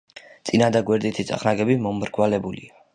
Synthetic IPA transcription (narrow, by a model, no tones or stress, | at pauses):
t̪sʼinad̪aɡwɛɾd̪it̪ʰit̪sʼa̰χnaɡɛbimɔmɾɡwalɛbulḭa